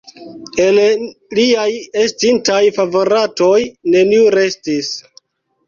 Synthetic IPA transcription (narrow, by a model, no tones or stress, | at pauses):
e̞lliajestintajfavo̞ɾato̞jne̞niuɾe̞stis